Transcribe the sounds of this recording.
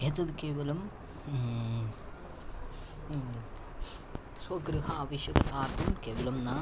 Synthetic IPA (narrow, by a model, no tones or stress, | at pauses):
eːt̪ɐd̪ukeːʋɐlɐm | swɐɡɾɨɦɐaːʋɐʃjɐɡɐt̪aːɾt̪ʰɐmkeːʋɐlɐmnaː